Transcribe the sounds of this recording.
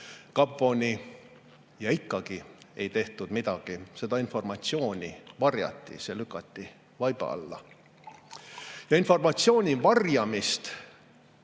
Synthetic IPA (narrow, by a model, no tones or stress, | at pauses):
kɑbvo̞nʲi | jɑikːˑɑɡ̥ie̞jt̪e̞ht̪ud̪̥mid̪̥ɑɡ̥ise̞d̪̥ɑinfo̞rmɑt̪sio̞ːnʲivɑrjɑ̰t̪ːˑḭse̞lykːˑɑt̪ːi | vɑjb̥ɑ̰ɑ̰lːɑ̰ | jɑinfo̞rmɑt̪sio̞ːnʲivɑrjɑmist̪